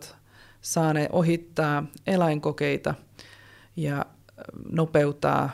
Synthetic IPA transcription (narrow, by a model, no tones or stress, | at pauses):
t̪ | sɑːneːʔoɦit̪ːɑːelɑiŋkokeit̪ɑ | jɑ | nopeut̪ɑ̰ː